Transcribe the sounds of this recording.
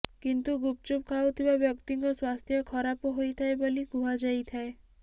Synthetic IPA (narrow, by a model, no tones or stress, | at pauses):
kint̪uɡup̚t͡ʃup̚kʰawt̪ʰibabjɔkt̪iŋkɔswast̪ʰjɔkʰɔɾapɔɦojt̪ʰaeboliɡʱũad͡ʒajt̪ʰae